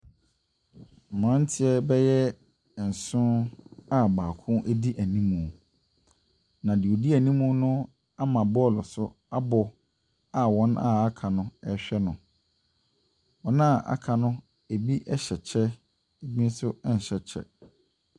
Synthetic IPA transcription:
mã˦n̩˦tʰɪ˦ɛ˦bɛ˦jɛ˦˨ | n̩˨sʊ̃˦a˦baː˨kʰʊ̃˦ʔe˦di˦ʔæ˨nĩ˦mũ˨ | nã˨dɪ˨o˨di˦æ˨nĩ˦mũ˦nʊ̃˦ | a˦mã˨bɔ˦˨lʊ˨sʊ˦ | a˦bɔ˨ | a˨wɔ̃˦na̰˦a˦kʰã˨nʊ̃˦ɛ˦ɕᶣɛ˦nʊ̃˨ | ɔ˨nã˦˨ʔa̰˦kʰã˨nʊ̃˦ | e˨bi˦ʔɛ˦ɕɛ˨t͡ɕʰɛ˦ | e˨bĩ˦n̩˦sʊ˦ɛ˦n̩˨ɕɛ˨t͡ɕʰɛ̰˦

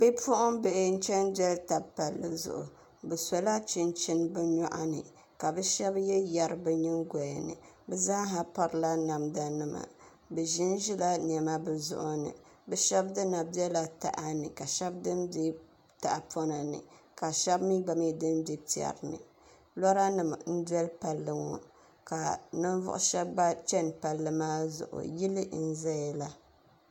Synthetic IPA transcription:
bɨ˦pʊ˦ʔʊ˦mbɛ˨ʔɪ˦n̩˦t͡ʃɛ˦nd͡ʒɛ˦lta˨pa˨lːɨ˨zʊ̰˨ʔʊ̰˨ | bɛ˨sɔ˨la˦t͡ʃɪ˦nt͡ʃɪ˦nbɨ˦ɲɔ˦ʔa˦nɨ̰˨ | ka˨bɛ˦ʃɛ˦bjɛ˦ja˨ɾɨ˨bɨ˦ɲɪ˦ŋɡɔ˨ɛ˨nɨ̰˨ | bɛ˦zaː˦ɦa˨pa˦ɾɨ˨la˦na˨mda˨nɨ˦ma̰˨ | bɛ˨ʒɪ˦nʒi˦la˦n˨ɛ˨ma˦bɨ˨zʊ̰˦ʔʊ˦nɨ̰˨ | bɛ˦ʃɛ˦bdɨ˦na˨bi˦ɛ˦la˨ta̰˨ʔa˦nɨ˨ka˨ʃɛ˦b̚dɨ˦mbɛ˦ | ta˨ʔa˨pʰɔ˦na˨nɨ̰˨ka˨ʃɛ˦bmi˦ɡ͡ba˨mi˦dɨ˦nbi˦pi˨ɛ̰˨ɾnɨ̰˨ | lɔ˦ɾa˦nɨ˨m˨n̩˦dɛ˦lpa˨lːɨ˦ŋɔ̰˦ | ka˨nɨ˦n˦vʊ̰˦ʔʊ̰˦ʃɛ˦bːa˦t͡ʃɛ˦npa˨lːɨ˨maː˦zʊ̰˨ʔʊ̰˨ji˦lɨ˦n̩˦zɛ˦ɛ˨la˦

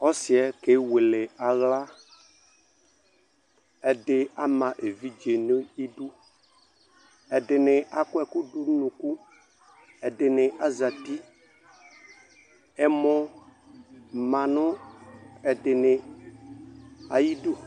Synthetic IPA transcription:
ɔ˦sɪ˨ɛ˦ke˦we˨lɪ˨a˨ɣla˦ | ɛ˨dɪ˦a˦mã˨ʔe˨vi˦d͡ʒe˨nʊ̃˦i˦du˦ | ɛ˨dɪ˨nɪ̃˨ʔa˨kʊ˦ɛ˨kʊ˦dʊ˦nũ˨ku˦ | ɛ˨dɪ˨nɪ̃˨ʔa˦za˨t̪i˦ | ɛ˨mɔ˨ | mã˨nʊ̃˦ | ɛ˨dɪ˨nɪ˨ | a̰˨ji˦du˦

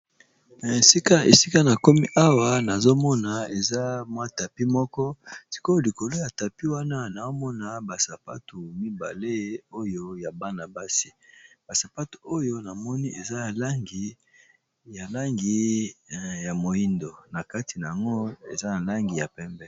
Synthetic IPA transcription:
na˨e˨si˦ka˦ḛ˨si˦ka˦na˨ko˦mi˦ʔa˦wa˨na˨zo˦mɔ˦na˨e˨za˦mwa˦˨ta˨pi˦mɔ˦kɔ˦si̥˨ko˦˨li˨ko˨lo˦ja˨ta˨pi˦wa˦na˦na˨o˦mɔ˦na˨ba˨sa˨pa̰˦tu˨mi˦ba̰˨le˦o˦jo˦ja˨ba˦na˨ba˦si̥˦ba˨sa˨pa˦tu̥˨o˦jo˦na˨mɔ˦ni˦ʔe˨za˦ja˨la˦ŋɡi˨ | ja˨la˦ŋɡi˨ | ja˨mo˨ji˦ndo˨na˨ka˦ti˨na˨ja˨ŋɡo˦ḛ˨za˦na˨la˦ŋɡi˨ja˨pɛ˦mbɛ˦

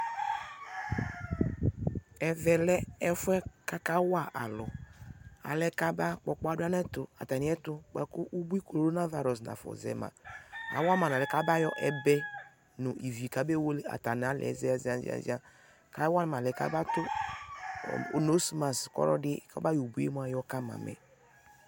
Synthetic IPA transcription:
ɛ˨vɛ˨lɛ˦ɛ˦fɛ˦ka˦ka˦wa˦˨ʔa˨lɔ˨ | a̰˨lɛ˦ka˦ba˦k͡pɔ˨k͡pɔ˦a˦da˦nɛ˦tʊ˨a̰˨ta˨ni˨˦ɛ˦tʊ˨k͡pɛ˨kʊ˦ʔu˦bi˦ko˨ɾɾo˦na˦va˨ɾɔ˨sna̰˨fɔ̰˨zɛ̰˨mã̰˨a̰˨˦wa˦ma˨lɛ˨ka˦ba˦jɔ˦ʔɛ˦bɛ˦ | nʊ˨ʔi˨vi˨ka˨˦bɛ˦wo˦le˦a̰˨ta˨n˨a˦lɛ̰˨˦zɛ˦a˨za˨n˦zḭ˦a̰˨˦zḭ˦a˦ | ka˦wa˦n˨ma˨lɛ˨ka̰˦ba˦tʊ˦˨ | no˨˦su˦ma˨skɔ̰˦ɾɔ̰˦dɪ˦˨ka˦ba˦jo˨bu˦e˦m˦a˨jɔ˦ka˦ma̰˨mɛ̰˨

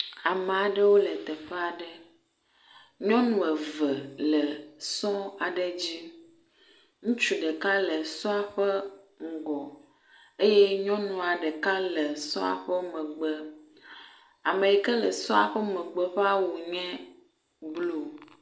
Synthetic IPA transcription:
a˨mɛ˨a˨ɖə˦wo˦lɛ˨t̪ɛ˨ɸɛ˦a˨ɖə˦ | ɲɔ̃˦nũ˨ɛ˨və˨lə˨sɔ̃˦a˨ɖɛ˦d͡ʑi˦ | ŋũ˦t͡ʃu˨ɖɛ˨ka˦lə˨sɔ̃˦a˨ɸə˦ | ŋ̩˨ɡɔ˨ | e˦je˦ɲɔ̃˦nũ˨a˨ɖɛ˨ka˦lə˨sɔ̰̃˦a̰˨ɸə˦mɛ̃˨ɡ͡bə˦ | a˨mẽ˨i˨kə˦lə˨sɔ̃˦a̰˨ɸə˦mɛ̃˨ɡ͡bə˦ɸɛ˦a˦wu˨ɲɛ̃˦ | blo˦˨

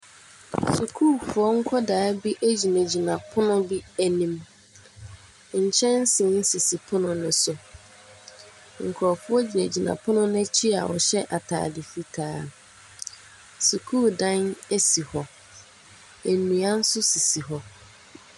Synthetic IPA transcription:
su˨kʰuː˦˨fʊ˨˦ɔ˦ŋ̩˦kʰɔ˦daː˨˦bi˦ʔæ˦d͡ʑi˨næ̃˨d͡ʑi˨nã˨pʰʊ˦nʊ̃˦bi˦æ˨nĩ˦m˨ | ɲ̩˨t͡ɕʰɛ̃˦n˦sɪ̃˨n̩˦si˨si˨pʰʊ̃˦nʊ̃˨nʊ̃˨sʊ˨ | ŋ̩˨kʰɔ˨fʊ˦ɔ˦d͡ʑi˨næ˨d͡ʑi˨nã̰˨pʰʊ̃˦nʊ̃˦nɛ̃˦t͡ɕʰi˦a̰˨wɔ̰˨ɕɛ˦ʔa˨tʰa̰ː˨dɪ˨fi˦tʰaː˦ | su˨kʰuː˦˨dã˦næ˦si˨hɔ˨ | e˨mĩ˨a˦n̩˦sʊ˦si˨si˨ɦɔ˨

